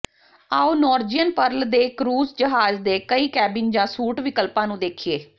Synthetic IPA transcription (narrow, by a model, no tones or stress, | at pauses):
aːuːnɔːɾd͡ʒijənpəɾld̪eːkɾuːzd͡ʒəɦaːzd̪eːkəiːkɛːbɪnd͡ʒãːsuːʈʋɪkəlpãːnũːd̪eːkʰieː